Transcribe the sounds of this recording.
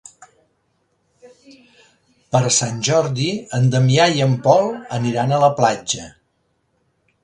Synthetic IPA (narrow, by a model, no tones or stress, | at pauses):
pəɾsanʲʒɔɾðiənd̪əmiajəmpɔlˠəniɾanələplad͡ʒə